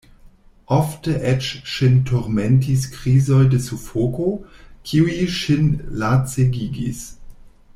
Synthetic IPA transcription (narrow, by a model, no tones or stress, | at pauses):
ʔoftəʔet͡ʃʃintʰoɾmentis̬kɾizojdesufokokʰiuiʃinlat͡seɡiɡḭs